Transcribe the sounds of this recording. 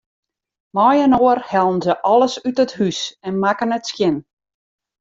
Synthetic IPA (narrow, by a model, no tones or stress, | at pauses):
mɔjənoːərhɛlˠn̩zəʔɔlˠəsytəthysɛnmakənətskjɪn